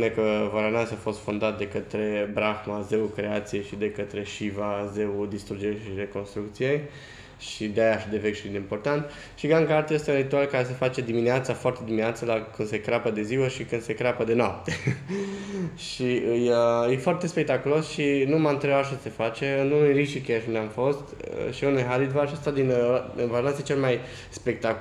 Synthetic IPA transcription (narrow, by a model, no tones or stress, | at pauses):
punekəvaɾanasafo̞st̪fond̪at̪̚d̪e̞kət̪ɾe̞bɾaxmaze̞ukɾe̞at̪sije̞jʃid̪e̞kət̪ɾe̞ʃivaze̞ud̪ist̪ɾud͡ʒeʃiɾe̞ko̞nst̪ɾuk̚t̪sije̞j | ʃid̪eajaʃid̪e̞ve̞kʃid̪eimpo̞rt̪ant̪ | ʃiɡaŋɡart̪je̞st̪eunrit̪ualkaɾes̬efat͡ʃe̞d̪imineat̪safoart̪e̞d̪imineat̪səlakɨnd̪se̞kɾeapəd̪e̞ziwəʃikɨnse̞kɾapəd̪e̞noap̚t̪e̞ | ʃiɨjəjefoart̪e̞spe̞k̚t̪akulo̞sʃinumaɨnt̪ɾebaʃ̬ase̞fat͡ʃe̞ɨnunujriʃikejaʃund̪ʲamfo̞st̪ʃiunujɦalit̪vaʃast̪ad̪invaɾanset͡ʃelemaj | spe̞k̚t̪a